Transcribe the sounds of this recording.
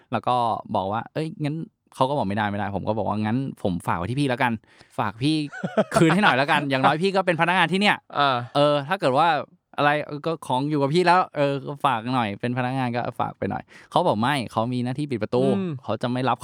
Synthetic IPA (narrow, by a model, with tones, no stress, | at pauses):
lɛː˦˥˩wkɔː˥˩bɔ̰ː˨˩k̚waː˥˩ʔɤ˦˥jŋa˦˥n | kʰa˦˥wkɔː˥˩bɔː˨˩kma˥˩jda˥˩jma˥˩jdaː˥˩jpʰo˩˦kɔː˥˩bɔː˨˩kwa̰ː˥˧˩ŋa˦˥npʰo˩˦mfaː˨˩k̚a˨˧˩t̪ʰːpiː˥˩lɛ˦˥ka˧n | faː˨˩k̚pʰiː˥˩kʰɯː˧nɦa˥˩jnɔ˨˩jlɛ˦˥ka˧njaː˨˩ŋnɔː˨˦˥jpʰiː˥˩kɔː˥˩pe˧npʰa˧na˦˥ŋaː˧nt̪ʰiː˥˩ni˥˩ɐʔa˧˩ʔɤː˧t̪ʰaː˥˩kɤː˨˩t̪̚waː˥˩ | ʔa˧ɾa˧jʔɤː˧kɔː˥˩kʰɔː˨˩˦ŋjuː˨˩ka˨˩pʰiː˥˩lɛː˦˥wʔɤː˧˥˩faː˨˩k̚nɔ˨˩jpe˧npʰa˧na˦˥k̚ŋaː˧nkɔː˥˩fa̰ː˨˩k̚pa˧jnɔ̰˨˩jkʰa˦˥wbɔː˨˩k̚ma˥˩jkʰa˦˥wmiː˧naː˥˩t̪ʰiː˥˩p̬i˨˩pɾa˧t̪uː˧kʰa˦˥wt͡ɕa˨˩ma˥˩jla˦˥p̚